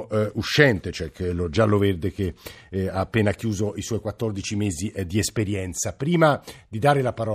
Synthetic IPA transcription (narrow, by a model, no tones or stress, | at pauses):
uʃːɛnt̪et͡ʃoɛklod͡ʒalːovɛrd̪ek̟eaːpːeːnakjuːzoiswɔjkwat̪ːɔrd̪it͡ʃimeːzid̪iespeɾjɛnt̪sapɾiːmad̪id̪aːɾelapaɾɔ